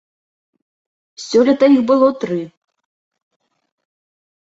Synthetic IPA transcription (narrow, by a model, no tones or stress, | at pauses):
sʲɔlʲɐt̪ɐibɨlˠɔt̪ɾɨ